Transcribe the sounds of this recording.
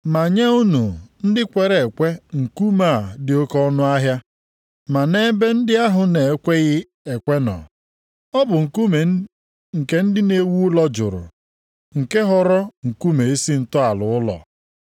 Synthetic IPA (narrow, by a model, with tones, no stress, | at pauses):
ma˨ɲe˦u˦nu˨n̩˦dɪ˦kʷe˨ɾe˨e˨kʷe˦ŋ̩˨ku˦ma˦˨dɪ˨o˦kɔ˦nʊ˦a˦ɦja˦ | ma˨ne˦be˦n̩˦dɪ˦a˦ɦʊ˨ne˨e˦kʷe˦ɣɪ˦ | e˨kʷe˦nɔ̰˨ | ɔ˦bʊ˨ŋ̩˨ku˦me˨ | ŋ̩˨ke˦n̩˦dɪ˦ne˦wu˦ʊ˦lɔ˦d͡ʒʊ̰˨ɾʊ̰˨ | ŋ̩˨ke˦ɦɔ˦ɾɔ˦ŋ̩˨ku˦me˨e˦si˦n̩˨tʊ˦a˨lʊ˨ʊ˦lɔ̰˨